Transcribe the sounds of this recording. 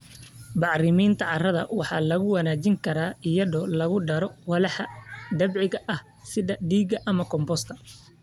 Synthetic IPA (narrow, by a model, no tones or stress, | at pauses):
bɑʕrɪmiːnt̪ʰɐʕɑrɐðɐ̰wɑħɑ̰ːlɐɣʊwɑnaːt͡ʃɪŋkʰɐɾaːɪjɐðɔːlɐɣʊɖɐɾɔwɑlɑħɑd̪ɐbʕɪɣɐʔɐh | sɪðɐɖiːɡɐʔɐmɐkʰɔmbɔst̪ʰɐ